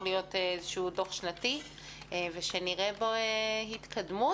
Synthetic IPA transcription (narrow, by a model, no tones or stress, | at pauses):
lijo̞teezeʃuudo̞χʃnati | eveʃeniʁeboehit̪kʰadmu